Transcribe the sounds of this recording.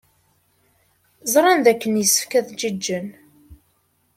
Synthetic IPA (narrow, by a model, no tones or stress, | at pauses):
zˤɾˤɑnðækːənjəsːə̥fkæðd͡ʒid͡ʒːən